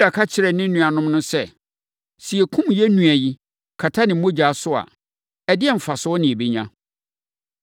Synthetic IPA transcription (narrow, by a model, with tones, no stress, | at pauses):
da˨kʰa˦t͡ɕʰɪ˨ɾɛ˨nɪ̃˦nũ˨a˨nʊ̃˦m˦nʊ̃˦sɛ˦ | si˨ɛ˨kʰʊ̃˦mjɛ˦nũ˨æ˨ji˦ | kʰa˨tʰa˦nɪ̃˨m̩˦mõ˦d͡ʑa˨˦˨sʊ˦a̰˨ | ɛ˨dɪ˦ɛ˦m̩˨fa˨sʊ˨˦ɔ˦nɪ̃˨be˦ɲã̰˦